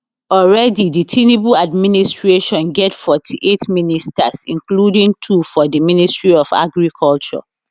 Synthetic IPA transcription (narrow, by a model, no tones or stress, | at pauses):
ɔlɹɛdiditʰenibuladministɹeʃɔ̃nɡɛtfɔtʰiʔetministʰasĩnkludĩŋtʰufɔdəministɹiɔfa̰ɡɹikʰɔlt͡ʃɔ̰